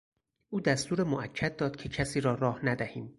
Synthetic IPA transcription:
ʔuːd̪æst̪uːɾemoʔæcʰːæt̪̚d̪ɒːd̪̥̚cʰe̞cʰæsiːɾɒːɾɒːhnæd̪æhiːm

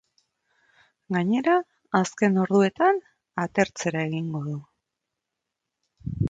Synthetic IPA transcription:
ɡaɲe̞ɾaː | ske̞no̞ɾðue̞t̪an | at̪e̞ɾt͡se̞ɾae̞ɣiŋɡo̞ðu

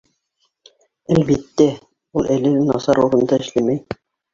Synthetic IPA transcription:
ælbit̪ːæ | ulˠʔælɘlɘnɑ̰sɑɾuɾɤ̆nd̪ɑɘ̆ʃlæmæj

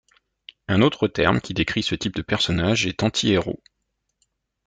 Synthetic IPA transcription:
ɛ̃not̪χət̪ɛ̰ʁmkʲid̪ekχisət̪ip̚d̪əpɛʁsɔnaʒɛt̪ɑ̃t̪ʰieʁo̰

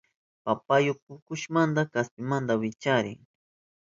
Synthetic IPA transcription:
papajʊpʊkʊʃmand̪akaspɪmand̪awɪt͡ʃaɾɪ̰ŋ

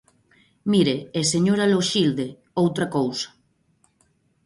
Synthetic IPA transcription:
miɾeeseɲoɾaloʃild̪e | owt̪ɾakowsḁ

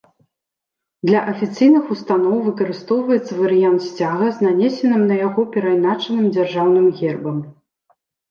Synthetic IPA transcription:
d̪lʲɐʔɐfʲit̪sɨjnɨxust̪anɔwvɨkɐɾɨst̪ɔwvɐjɛt̪sɐvɐɾɨjant̪sʲt͡sʲaɣɐznanʲɛsʲɛnɨmnɐjaɣɔpʲɛɾajnat͡ʂɐnɨmd͡zʲarʐawnɨmɣʲɛrbɐm

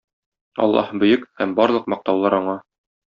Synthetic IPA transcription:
ɒ̰lˠːɑ̰hbɵ̆jɵkhæmbɒɾlˠɤqmɒq̚t̪ɑwlˠɑɾɒɴɑ

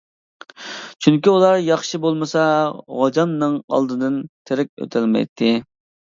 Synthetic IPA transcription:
t͡ʃʰyŋkʲiulˠɑɾjɑχʃibolˠmɨsɑʁod͡ʒɑnːɨŋɑ̰lˠd̪ɨd̪ɨnt̪ʰeɾɪk̚ʲø̰t̪ʰɪlmɛ̰jt̪ʰːɪ

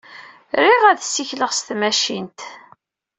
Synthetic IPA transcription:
ɾiʁæðsiçləʁst̪mæʃint̪

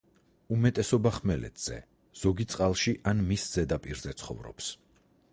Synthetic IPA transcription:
umɛt̪ʼɛsɔbaχmɛlɛ̰t̪ʰz̥ɛ̰ | z̥ɔɡit̪sʼqʼalˠʃiʔanmisz̥ɛd̪apʼiɾzɛt̪sʰχɔ̰vɾɔ̰ps

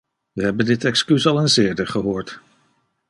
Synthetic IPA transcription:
ʋəɦɛbəndɪtɛkskysɑlˠənzɪːɹdəɹχəɦoːɹt

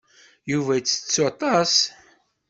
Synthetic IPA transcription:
juvæjt͡sːə̥t͡sːot̪ˤɑs

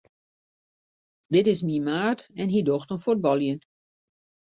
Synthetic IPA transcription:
dɪtɪsmimaːtɛnɦidoxtənfud̚bɔlˠjən

